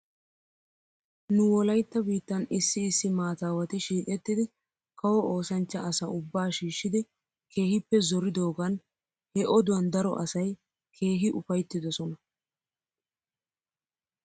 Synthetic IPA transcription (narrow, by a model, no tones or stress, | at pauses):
nʊwɔlɐjt̪ːɐbiːt̪ːɐnɪsːɪːsːɪmaːt̪aːwɐt̪ɪʃiːkʼɛt̪ːɪd̪ɪ | kɐwɔoːsɐnt͡ʃːɐɐsɐʊbːaːʃiːʃːɪd̪ɪ | kʰe̞ːhɪpːɛzɔɾɪd̪o̞ːɡɐn | hɛʔɔd̪ʊwɐnd̪ɐɾɔ̰ʔɐsɐj | kʰe̞ːɦɪʔʊfɐjt̪ːɪd̪ɔsɔnɐ